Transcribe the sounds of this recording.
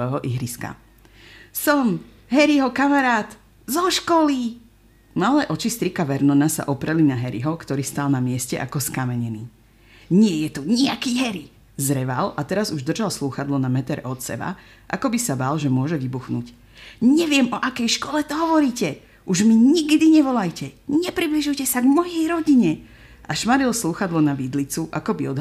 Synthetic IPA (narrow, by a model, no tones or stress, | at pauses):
ɛɦɔʔiɦɾiska̰ | sɔm | ɦɛɾiɦɔkamaɾaːt̪ | zɔʃkɔli | malɛːʔɔt͡ʃist̪ɾikaʋɛɾnɔnasa̰ʔɔpɾɛlinaɦɛɾḭɦɔkt̪ɔɾiːst̪alˠnamɪɛscɛʔa̰kɔskamɛɲɛniː | ɲɪɛjɛt̪uɲiakiːɦɛɾi | zɾɛʋalat̪ɛɾazuʒd̪r̩ʒalsluːxad̪lɔnamɛt̪ɛɾɛ̰ʔɔt̪sɛ̰ba̰ | ʔa̰kɔbisabalʒɛmʊɔʒɛʋibuxnuːc | ɲɛʋɪɛmɔʔakɛjʃkɔlɛt̪ɔɦɔʋɔɾiːcɛ | ʔuʒmiɲiɡd̪iɲɛʋɔlajcɛɲɛpɾibliʒujcɛsaɡmɔjɛjɾɔɟiɲɛ | ʔaʃmaɾilsluːxad̪lɔnaʋid̪lit͡suʔakɔbiɔd̪ɦ